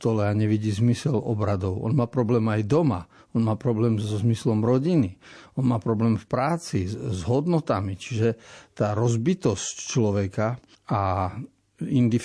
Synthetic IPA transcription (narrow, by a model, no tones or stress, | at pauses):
t̪ɔlɛaɲɛʋiɟiːzmisɛlɔ̰bɾad̪ɔʊʔɔ̰nmaːpɾɔblɛːmajd̪ɔma̰ | ɔnmaːpɾɔblɛːmzɔzmislɔmɾɔɟiniɔnmaːpɾɔblɛːmfpɾaːt͡sizɦɔd̪nɔt̪amit͡ʃiʒɛt̪aːɾɔzbit̪ɔsct͡ʃlɔʋɛka | a | ind̪if